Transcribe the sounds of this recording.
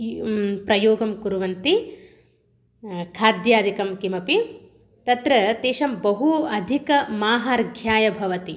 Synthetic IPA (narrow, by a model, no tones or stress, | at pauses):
pɾɐjoːɡɐmkuɾuʋɐnt̪i | kʰaːd̪jaːd̪ʱikɐmkimɐpi | t̪ɐt̪ɾɐt̪eːʃɐmbɐɦuɐd̪ʱikɐmaːɦaːɾɡʱjaːjɐbʱɐʋɐt̪i